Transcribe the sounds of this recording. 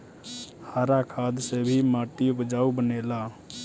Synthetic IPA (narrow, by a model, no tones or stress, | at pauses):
haɾakʰad̪sebʱimaʈ̪ijobəd͡ʒaubənela